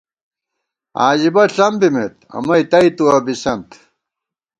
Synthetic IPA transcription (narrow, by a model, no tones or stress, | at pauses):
aːʑibɐɬɐmbimet̪̚ɐ̰mɐjt̪ɐit̪uɐbisɐnt̪